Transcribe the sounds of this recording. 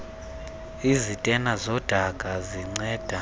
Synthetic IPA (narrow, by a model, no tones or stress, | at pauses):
izitʼɛnazɔd̥ʱaɡ̥ʱaziŋ͡ǀɛːd̥ʱa